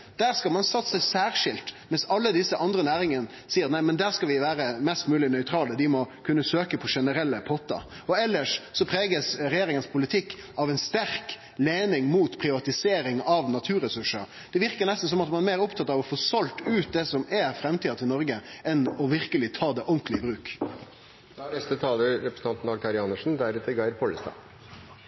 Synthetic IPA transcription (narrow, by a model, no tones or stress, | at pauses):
d̪æːɾskɑlmɑnsɑt̪ːsəsæːɾʂɪlt̪mɛnsɑlːəd̪ɪsːəʔɑnd̪ɾənæːɾɪŋənə | siːəɾt̪næɪmɛnd̪æːɾskɑlʋɪʋæːɾəmɛst̪mʉːlɪnœʏt̪ʰɾɑːləd̪ɪmɔkʰʉnːəsøːkəpʰɔʂɛnəɾɛlːəpʰɔt̪ːɑ̰ | ɔɛlːəʂsɔpʰɾeːɡəsɾɛjeːɾɪŋənspʰʊlɪt̪ʰɪkː | ɑʋɛɪnst̪æɾk | leːnɪŋmuːt̪pʰɾɪʋɑt̪ɪseːɾɪŋɑʋnɑt̪ʰʉːɾɛsʉʂəɾ | d̪̥ɛʋɪɾkəɾnɛst̪n̩s̬ɔmɑt̪mɑnmeːɾʊpt̪ʰɑt̪ːɑʋɔfoːsɔlt̪ʉːt̪̚d̪ɛsɔmæɾfɾɛmt̪iːɑt̪ʰɪlnɔɾɡəʔɛnɔʋɪɾkəlɪt̪ʰɑːd̪ɛʔʊŋklɪəbɾʉːk | nɛst̪ət̪ʰɑːləɾɾɛpɾsn̩ʰɑnt̪n̩ɑk̚t̪ʰɑɾɪɑnəʂn̩d̪æɾɛt̪ːəɡɑɪɾpʰɔləst̪ɑ̰ː